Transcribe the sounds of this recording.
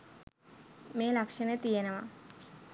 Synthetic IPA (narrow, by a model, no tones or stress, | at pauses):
meːlakʂənət̪ijenəʋa̰